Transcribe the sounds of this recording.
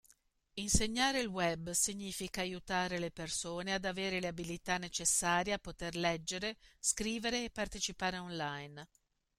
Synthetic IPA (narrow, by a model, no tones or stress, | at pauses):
inseɲːaːɾeilwɛbːsiɲːiːfikaːjut̪aːɾelepersoːnead̪aveːɾeleabilit̪anːet͡ʃesːaːɾjeapːot̪erlɛd͡ʒːeɾeskɾiːveɾeːpːart̪et͡ʃipaːɾeɔnlajn